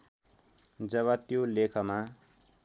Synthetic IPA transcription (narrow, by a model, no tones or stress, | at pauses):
d͡zʌβʌt̪jolekʰʌma